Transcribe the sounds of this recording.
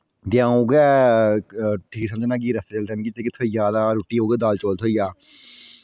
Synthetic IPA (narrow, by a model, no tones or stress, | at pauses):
d̪ɪjãːoːɡɛː | ʈʰiːksəməd͡ʒnãːɡiːɾəst̪eːt͡ʃəlt̪ɛːmĩːkit̪ʰeːkɪt̪ʰoːizaːd̪aːɾoːʈːiːɦoːɡeːd̪aːlt͡ʃoːlt̪ʰɦoːijaː